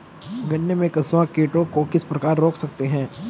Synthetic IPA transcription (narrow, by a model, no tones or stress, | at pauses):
ɡɐnːjemẽkɐsʋãkeːʈõkokɪspɾɐkaːɾːoːkʰsɐk̚t̪eɦɛ̃ː